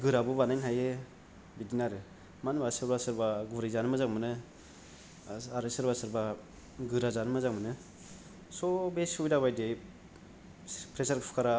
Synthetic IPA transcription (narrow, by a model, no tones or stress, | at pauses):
ɡɯɾabɯbanajnhaje | bidinaɾɯ | manbasɯɾbasɯɾbaɡuɾajzanmɯzaŋmɯnɯ | aɾɯsɯɾbasɯɾba | ɡɯɾazanmɯzaŋmɯnɯ | sɔbesujdaβajde | pʰɾesaɾpʰkʰaɾa